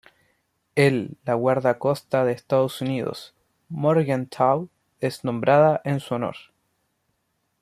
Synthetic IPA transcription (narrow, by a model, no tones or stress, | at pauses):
elːaɣwaɾðako̞st̪aðeːst̪að̞osuniðo̰s | moɾɣant̪ʰaw | esnõ̞mbɾaðaʔensuono̰ɾ